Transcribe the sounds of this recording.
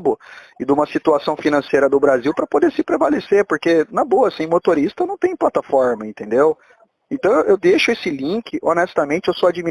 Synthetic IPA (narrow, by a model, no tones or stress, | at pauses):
bʊɪd̪ũmɐsit̪uasɐ̃w̃finɐ̃sejɾɐd̪ʊbɾaziwpɾɐpod̪eɾsɪpɾevaleseɾpoɾkenɐboɐsĩj̃mot̪oɾist̪ɐnɐ̃w̃t̪ẽj̃plat̪afɔɾmɐẽnt̪ẽd̪ew | ẽnt̪ɐ̃w̃ʔewd̪eʃʊesɪlĩkɪʔonɛst̪ɐmẽnt͡ʃɪewsoad͡ʒimi